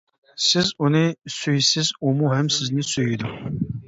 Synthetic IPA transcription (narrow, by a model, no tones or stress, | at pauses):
sɪzunɨsyjsɪzomuɦɛmsɪznɪsøjid̪ʊ